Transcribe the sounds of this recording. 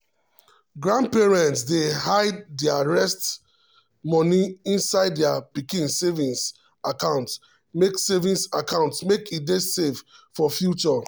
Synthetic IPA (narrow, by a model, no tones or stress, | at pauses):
ɡɹãnd̚pɛɹɛ̃ntsdehaɪddɛaɹɛst | mɔniĩnsaɪddapikĩnsevĩns | akãʊ̃nt | meksevĩnsakãʊ̃ntsmekʰit̚desevfɔfjut͡ʃɔ